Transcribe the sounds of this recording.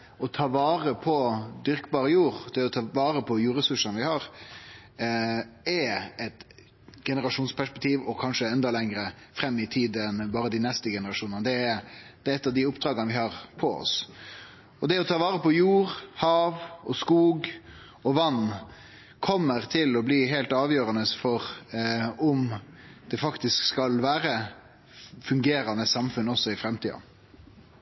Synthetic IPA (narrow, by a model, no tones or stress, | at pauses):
ɔt̪ʰɑːʋɑːɾəpʰɔd̪ʏɾkbɑːɾəjuːɾd̪̥ɛɔt̪ʰɑʋɑːɾəpʰɔjuːɾɛsʉʂənʋɪhɑɾ | ɛɛt̪ | ɡ̥ɛnəɾɑʂuːnspʰæʂpɛk̚t̪ʰiːʋɔkʰɑnʂəɛnd̪ɑlɛŋɾəfɾɛmːɪt̪ʰiːd̪ənbɑːɾəd̪ɪnɛst̪əɡɛnəɾɑʂuːnənd̪ɛd̪̥ɛɛt̪ːɑd̪ɪʊpd̪ɾɑːɡənəʋɪhɑːɾpʰɔɔ̰s | ɔd̪ɛɔt̪ʰɑːʋɑːɾəpɔjuːɾhɑːʋɔskuːɡ | ɔʋɑnː | kʰɔmːəɾt̪ʰɪlɔbliːɦɛɪlt̪ɑːʋjøːɾɑnəfɔɾ | ʊmd̪̥ɛfɑkt̪ɪskskɑlʋæːɾə | fʉŋɡeːɾɑnəsɑmfʉnːɔsːɔɪfɾɛmt̪ʰiːɑ̰